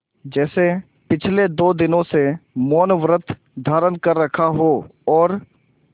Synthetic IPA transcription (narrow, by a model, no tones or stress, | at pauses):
d͡ʒɛːse | pɪt͡ʃʰled̪oːd̪ɪnõsemoːnʋɾət̪ʰ | d̪ʱaːɾənkəɾːəkʰaɦoɔːɾ